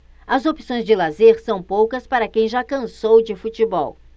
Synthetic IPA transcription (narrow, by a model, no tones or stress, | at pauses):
ɐzopi̥sõj̃zd͡ʒɪlazeɾsɐ̃w̃powkɐspaɾɐkẽj̃ʒakɐ̃sowd͡ʒɪfut͡ʃɪbɔw